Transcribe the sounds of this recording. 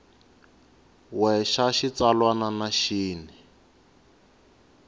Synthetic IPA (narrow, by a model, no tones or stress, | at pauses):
wɛʃaʃit͡salwananaʃiːnɛ